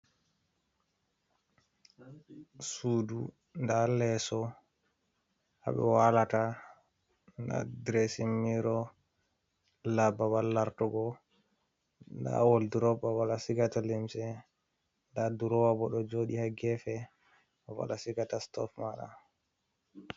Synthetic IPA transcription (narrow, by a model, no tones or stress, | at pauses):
suːdu | ndalɛsɔ | ha̰ɓɛ̰walata | nda̰dɾesimːiɾɔ | lababalːaɾtɔɡɔ | nda̰wɔlduɾɔbawalasiɡatalimsɛ | ndaduɾɔwabɔɗɔd͡ʒoɗihaɡɛfɛ | ɔwa̰lasiɡatastɔ̰fmaɗa̰